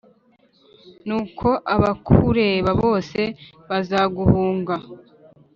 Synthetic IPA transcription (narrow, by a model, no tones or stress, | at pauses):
nuːkʰo̞ʔaβakʰuɾeβaβo̞ːse̞ | βazaːɡuhuːŋɡa